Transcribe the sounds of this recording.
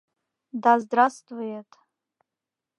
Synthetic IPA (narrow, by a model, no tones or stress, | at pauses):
dazdrastʰʼvɨjetʼ